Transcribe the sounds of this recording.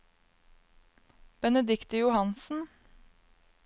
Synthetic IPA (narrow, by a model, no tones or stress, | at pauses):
b̥ɛnəd̪ɪkt̪əjʊhɑnsn̩